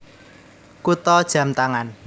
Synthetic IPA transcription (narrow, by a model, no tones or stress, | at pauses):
kut̪ɔd̥ʒ̥ä̤mt̪aŋan